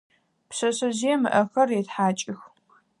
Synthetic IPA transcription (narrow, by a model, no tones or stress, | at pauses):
psɐsɨzijɛmɨ̰ʔɐxɐrjɛtħaːt͡ʃʼɪx